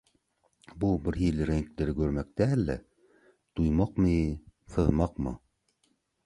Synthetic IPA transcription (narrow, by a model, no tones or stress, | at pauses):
bubɘ̆ɾɦilɘɾæŋklɘ̆ɾɘkʉɾmæk̚t̪æːlːæ̰ | t̪ujmɑqmɤθɤ̆ðmɑqmɤ̰